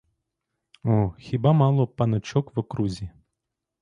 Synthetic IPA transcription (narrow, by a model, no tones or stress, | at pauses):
ɔxʲibamɑlˠɔpɐnɔt͡ʃɔkʋɐkɾuzʲi